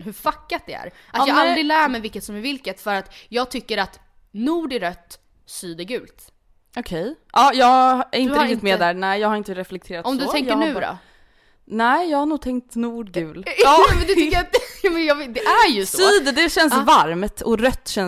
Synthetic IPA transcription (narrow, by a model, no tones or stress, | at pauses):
hɵfakːat̪̚d̪ɛæ̰ɾ | at̪jɑːɡald̪ɾɪlæːɾmɛjvɪlkːət̪sɔmæɾvɪlkət̪fœɾat̪jɑːɡ̚t̪ʰʏkːəɾat̪ | nuːɖæɾœt̪ː | syːd̪əɾɡʉ̟ːlt̪ | ʔɔkʰɛjʔɑːjɑːɡæɾɪnɾɪkt̪ɪt̪mɛd̪æɾnæɪjɑːɡhaɾɪnt̪əɾɛflɛk̚t̪ʰeːɾat̪ɔmdd̪ɵt̪ɛŋənʉ̟ɾɔ̰ | nɛɪjɑːɡhaɾɳnuːɡ̚t̪ʰɛŋk̚t̪nuːɖɡʉ̟ːlɑːmɛnd̪ɵt̪ʰɪkːəɾat̪̚jɑmɛnjɑːvɪd̪ɛʔæɾjɵsyːd̪əd̪ɛɕɛnsvaɾmt̪ɔɾœt̪ːɕɛn